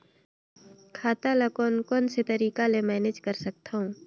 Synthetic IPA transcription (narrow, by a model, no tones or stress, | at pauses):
kʰaːt̪alakɔːnkɔːnset̪ɐɾiːkalemɛːned͡ʒkɐɾsɐk̚t̪aɦũː